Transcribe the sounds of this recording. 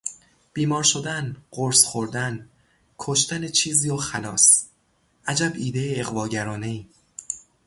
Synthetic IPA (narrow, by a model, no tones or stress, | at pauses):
b̥iːmɒːɾʃod̪ænɢ̥oɾsχoɾd̪æn | kʰoʃt̪ænet͡ʃʰiːziːɒxælɒːs | ʔæd͡ʒæbiːd̪ejeeɣvɒːɟæɾɒːne̞iː